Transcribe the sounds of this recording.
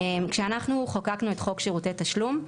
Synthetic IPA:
emkʃeanaχnuχakaknuetχo̞kʃeʁutetaʃlum

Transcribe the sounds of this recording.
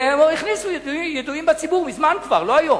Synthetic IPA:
emiχnisujeduijeduimbet͡sibuʁmizmankvaʁlo̞ajom

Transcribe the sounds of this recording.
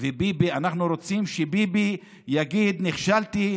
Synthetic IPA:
vebibianaχnuɾo̞t͡simʃebibi | jaɡid̪niχʃalt̪i

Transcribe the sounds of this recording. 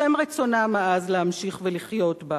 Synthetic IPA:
emʁet͡sonameazleamʃiχveliχjo̞tba

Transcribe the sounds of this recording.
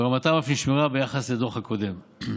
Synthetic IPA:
eʁamat̪amafniʃmiʁabejaχasled̪oχhakod̪e̞m

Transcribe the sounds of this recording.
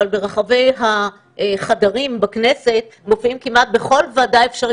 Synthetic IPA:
albeʁaχave̞jɦa | χadaʁimbaknese̞t̪̚mo̞fʔimkimat̪̚be̞χo̞lvaːdaefʃaʁ

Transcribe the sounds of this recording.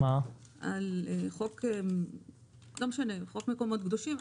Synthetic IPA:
maʔaleχok | ɡamʃaneχo̞kmeko̞mo̞t̪ɡd̪o̞ʃim

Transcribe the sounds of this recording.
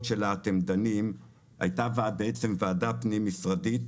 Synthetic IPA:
ʃelaːt̪emd̪anim | ha̰jtavaabeet͡se̞mvaːdapnimisʁadit

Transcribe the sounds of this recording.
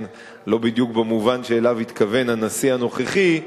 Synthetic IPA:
n | lo̞bid̪jukbemuvanʃeːlavit̪kave̞nanasihano̞χeχi

